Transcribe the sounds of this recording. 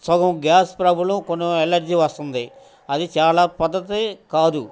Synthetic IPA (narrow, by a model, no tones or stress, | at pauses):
sɐɡɐmɡaːspɾɐbʱulukonːoelɐɾd͡ʒiʋɐst̪und̪i | ɐd̪it͡ʃaːlaːpɐd̪ːɐt̪ekaːd̪u